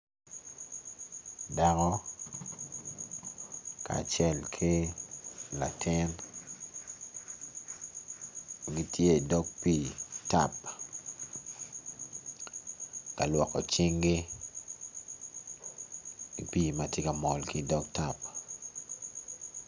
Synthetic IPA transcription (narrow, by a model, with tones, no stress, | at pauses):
da˦kɔ˦ | ka̰ː˨t͡ʃɛ˦lkʰi˦ | la˨tʰɪ˦n | ɡi˦tʰje˦˨dɔ˦ɡ̚piː˨ta̰˨p | ka˨lwɔ˨kɔ̰˨t͡ʃi˦ŋɡi˦ | i˨piː˦˨ma˨tje˦ka˨mɔ˨lki˦dɔ˦k̚ta˨p̚